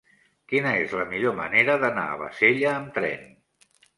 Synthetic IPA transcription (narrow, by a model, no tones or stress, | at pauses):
kinəezləmiʎomə̰neɾəðəna̰ə̰βə̰seʎəːmt̪ɾɛ̰n